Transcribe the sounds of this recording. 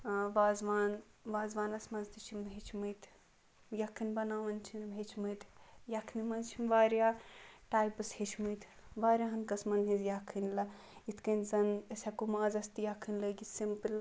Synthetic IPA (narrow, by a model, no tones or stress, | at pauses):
ʋaːzʋaːnʋaːzʋaːnɐsmɐnzt̪it͡ʃʰimɦet͡ʃʰmɨjt̪ʰ | jɐkʰɨnʲbɐnaːʋɐnt͡ʃʰinɦet͡ʃʰmɨt̪ʰjɐkʰnimɐnzt͡ʃʰinʋaːɾjaːʈaːjpɐshet͡ʃʰmɨjt̪ʰ | ʋaːɾʲjaɦɐnkɐsmɐnɦizjakʰːɨnlɐ | it̪ʰkɐnzɐnɐsʲɐkumaːzɐst̪ijɐkʰːɨnʲləːɡisimpɨl